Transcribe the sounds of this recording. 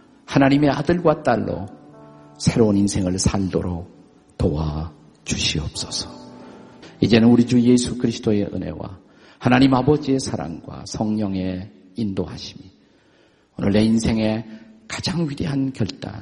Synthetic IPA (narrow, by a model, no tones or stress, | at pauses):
hanaɲime̞adɯɭɡwat͈aɭːo̰ | sʰe̞ɾouninsʰe̞ŋɯɭsʰaɭdo̰ɾok̚ | toa | t͡ɕuɕʰiʌp̚s͈ʌsʰʌ̥ | id͡ʑe̞nɯnuɾid͡ʑuje̞sʰukɯɾisʰɯ̥d̥oe̞ʔɯ̰ne̞̰wa̰ | hanaɲimabʌd͡ʑie̞sʰaɾa̰ŋɡwa̰sʰʌŋɲʌŋe̞ | indoɦa̰ɕʰi̥mi | onɯɭːe̞insʰe̞ŋe̞kḁd͡ʑaŋɥide̞ɦankjʌɭt͈a̰